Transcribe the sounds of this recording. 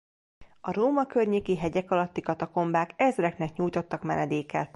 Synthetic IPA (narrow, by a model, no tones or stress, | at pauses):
ɒɾoːmɒkørɲeːkiɦɛɟɛkɒlɒt̪ːikɒt̪ɒko̞mbaːkɛzrɛknɛkɲuːjt̪o̞t̪ːɒkmɛnɛd̪eːkɛt̪